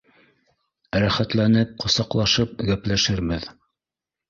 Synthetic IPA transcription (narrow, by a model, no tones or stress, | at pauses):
ɾæχæt̪lænɘp̚qŏsɑqlˠɑʃɤp̚ɡæplæʃɘɾmɘð